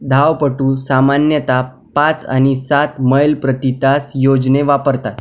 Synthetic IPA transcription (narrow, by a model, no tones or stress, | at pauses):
d̪ʱaʋpəʈũːsamanjət̪a | pat͡sa̰ñisat̪məjlpɾət̪it̪asjod͡zneʋapəɾt̪at̪